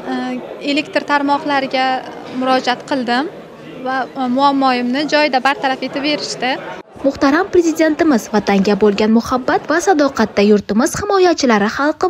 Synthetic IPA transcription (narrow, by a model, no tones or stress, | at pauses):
e̞lekʲt̪ɾt̪ʰaɾmɒqlˠaɾɪɡʲa | mʊɾɒd͡ʒat̪qʰɨlˠd̪ɪm | vamʊamːɒjɪmnɪd͡ʒɒjɪd̪abaɾt̪ʰaɾafe̞t̪ʰɪpbe̞ɾɪʃt̪ɪ | mʊχt̪aɾampɾe̞zɪd̪e̞nt̪ɪmɪzvat̪ʰaŋɡʲabolˠɡʲanmʊhabːat̪vasad̪ɒqʰɑt̪ːajʊɾt̪ɪmɪz̥hɪmɒjat͡ʃʰɪlaɾɪχɑlˠqɨ